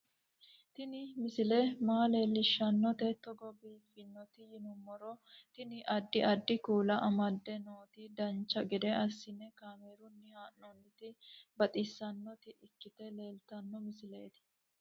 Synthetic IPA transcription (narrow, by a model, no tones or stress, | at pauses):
t̪ɪnɪmɪsɪlɛmaːle̞ːlːɪʃːɐnːɔt̪ɛt̪ɔɡɔbiːfɪnːɔt̪ɪjɪnʊmːɔɾɔt̪ɪnɪʔɐd̪ːɪɐd̪ːɪkuːlɐʔɐmɐd̪ːɛno̞ːt̪id̪ɐnt͡ʃːɐɡɛd̪ɛʔɐsːɪnɛkaːmeːɾʊnːɪhaːnːɔnːɪt̪ɪbɐt̪ʼɪsːɐnːɔt̪ɪɪkːɪt̪ɛle̞ːlt̪ɐnːɔmɪsɪle̞ːt̪ɪ̥